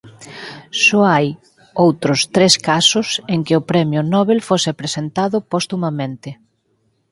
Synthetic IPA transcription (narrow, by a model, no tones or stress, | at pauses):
sɔaj | owt̪ɾʊst̪ɾeskasʊseŋkɪʊpɾɛmjʊnɔβelfosɪpɾesent̪aðʊpost̪umamẽnt̪ɪ